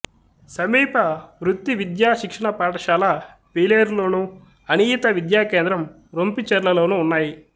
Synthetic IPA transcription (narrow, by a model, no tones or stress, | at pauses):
sɐmiːpɐʋɾut̪ːiʋid̪jaːʃikʂɐɳɐpaːʈɐʃaːla | piːleːɾloːnu | ɐniːt̪ɐʋid̪jaːkeːnd̪ɾɐm | ɾompit͡ʃɐɾlɐloːnuːnːaːji